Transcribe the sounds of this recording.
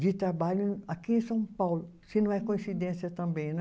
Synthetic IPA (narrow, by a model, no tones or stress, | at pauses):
d͡ʒit̪ɾɐbaːlĩnɐkiẽsɐ̃w̃pawl | sinõɛkoĩnsid̪ẽnsiɐt̪ɐ̃mbẽnɛ